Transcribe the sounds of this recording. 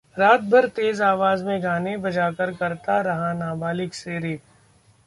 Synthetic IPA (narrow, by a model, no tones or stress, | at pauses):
ɾaːt̪̚bʱɐɾt̪eːzaːʋaːzmẽɡʱaːnebɐd͡ʒaːkəɾkɐɾt̪aɾɐɦanaːbaːlɪkseːɾiːp̚